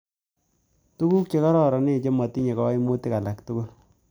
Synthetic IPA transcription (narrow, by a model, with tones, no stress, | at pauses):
tu˦ku˦k̚t͡ʃe˨kɔ˦ɾɔ˨ɾɔ˨ne˦˨t͡ʃe˦mɔ˨ti˦ɲe˨kɔ˦i˦mu˦ti˦ka˨la˨k̚tu˦ku˦l